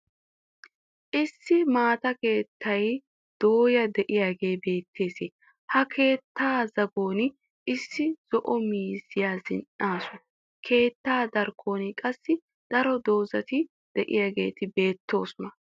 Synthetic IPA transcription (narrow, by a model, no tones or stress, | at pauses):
ʔɪsːɪmaːt̪ɐke̞ːt̪ʰːɐj | d̪̥o̞ːjɐd̪ɛʔɪjaːɡe̞ːbe̞ːt̪ʰːe̞ːseː | hɐkʰe̞ːt̪ːaːzɐɡo̞ːn | ʔɪsːɪz̥ɔʔɔmiːzɪjaːzɪ̰nʔaːsʊ | kʰe̞ːt̪ːaːd̪ɐɾkʰo̞ːnɪkʼɐsːɪ | d̪̥ɐɾɔd̪o̞ːzɐt̪ɪ | d̪̥ɛʔɪ̰jaːɡe̞̰ːt̪ɪbe̞ːt̪ːo̞ːsʊnɐ